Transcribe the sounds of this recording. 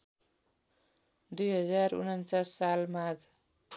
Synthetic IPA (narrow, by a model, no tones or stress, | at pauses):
d̪ujɦʌd͡zarṵnʌnt͡sasːalmaɡ